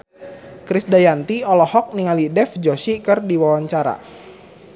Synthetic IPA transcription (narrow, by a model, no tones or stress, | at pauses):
kɾisdajant̪iɔlɔhɔk̚niŋalidɛfd͡ʒɔsikɨrdiwawaɲt͡ʃaɾa̰